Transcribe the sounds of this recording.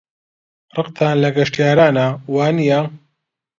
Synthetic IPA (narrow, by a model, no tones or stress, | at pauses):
rɨqt̪ʰaːnlɐɡɐʃtjaːɾaːnawaːnija